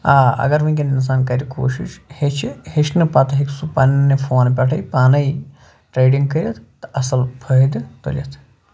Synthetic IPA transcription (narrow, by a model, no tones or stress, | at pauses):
aːɐ̰ɡɐɾʋĩkʲenins̬aːnkɐɾʲiko̰ːʃḭʃhet͡ʃʰheʃnɨpɐt̪ɐɦiksupɐnnɐfoːnpʲɛʈʰɐjpaːnɐj | ʈɾeːɖiŋɡ̚kɐɾʲjɐt̪t̪ɨʔɐsɐlpʰəd̪ɨt̪o̰lʲijɐt̪ʰ